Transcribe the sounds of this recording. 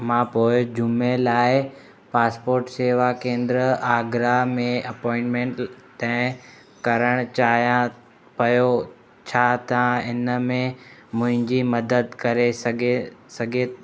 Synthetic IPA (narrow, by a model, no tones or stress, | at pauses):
mãːpoːɪd͡ʑʊmelaːɪ | paːspoːɾʈseːʋakẽːnd̪ɾəaːɡɾamẽɐpɔːɪ̃ɳʈmẽɳʈt̪ãːɪ̃ | kɐɾəɽ̃t͡ɕaːɦijã | pɐjo | t͡ɕʰaːt̪ãɪnəmẽmʊ̃ɦɪ̃ɲd͡ʑimɐd̪əd̪kɐɾesɐɡesɐɡʱe